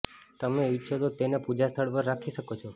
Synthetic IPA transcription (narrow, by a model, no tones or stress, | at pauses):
t̪əmeitːʃʰot̪ot̪enepud͡ʒast̪ʰəɭpəɾːakʰiʃəkot͡ʃʰɔ